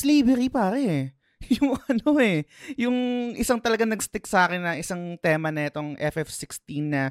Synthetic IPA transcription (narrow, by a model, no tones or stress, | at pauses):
sliːbɛɾipaːɾɛ | jʊŋʔʔɐno̞ɛjʊŋʔɪsaŋt̪ɐlɐɡaŋnɐɡst̪ɪksaːkɪnːɐʔɪsaŋt̪ɛːmɐnɐɛt̪oŋʔɛfɛfsɪkst̪inːɐ